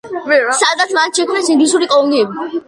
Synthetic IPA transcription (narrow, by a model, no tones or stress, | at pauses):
sad̪at̪sʰmat̪ʃɛkʰmnasĩŋɡlisuɾikʼɔlniɛbi